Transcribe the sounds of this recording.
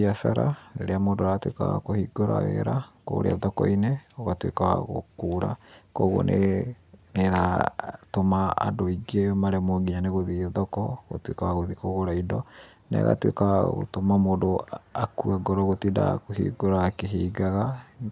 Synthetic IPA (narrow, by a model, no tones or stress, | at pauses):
asaɾaneɾeamoːndoɾatwḛka̰wa̰kohiɡoɾa̰wḛɾako̰ɾḛaðɔkɔ̰ineɔɣatwḛkawa̰ɣo̰kuːɾa̰koɣo̰nʔḛ | neɾatoma̰ːdoiɡemaɾɛmoɡiɲaneɣoðiðɔkɔɣo̰twekawaɣoðikoɣoɾaidɔ | nɛ̰ɣa̰twḛkawaɣo̰tomamoːndoakuaɡɔɾɔɣotida̰kohḭːɡoɾakeɦiːɡaɣa